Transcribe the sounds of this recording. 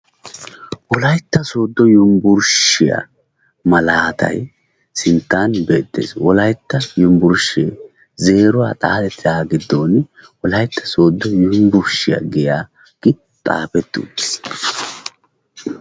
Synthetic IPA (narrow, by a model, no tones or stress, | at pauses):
wɔlɐjt̪ːɐso̞ːd̪ːɔjʊmbʊɾʃɪja̰ | mɐlaːt̪ʰɐ̰j | sɪnt̪ːaːnbe̞ːt̪ːḛːswɔlɐjt̪ːɐjʊmbʊɾʃeː | ze̞ːɾʊwaːt̪ʼaːd̪ɛt̪ʰːɪaːɡɪd̪ːo̞ːn | wɔlɐjt̪ːɐso̞ːd̪ːɔjʊmbʊɾʃɪja̰ɡɛjaː | ɡ̥ɪ | t̪ʼa̰ːpɛt̪ːṵːd̪ːɛ̥s